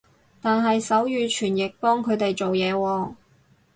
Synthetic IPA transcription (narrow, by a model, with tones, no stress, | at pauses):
t̪aː˨nɦɐ˨jsɐ˨˥wjyː˨˧t͡ʃʰyː˨˩njɪ˨k̚pɔː˥ŋkʰɵ˨˧ɥt̪e˨jt͡so˨wjɛː˨˧wɔː˧